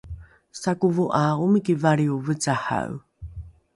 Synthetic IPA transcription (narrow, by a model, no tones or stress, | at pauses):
sakuvuʔaumikivaɾiuvət͡saha̰w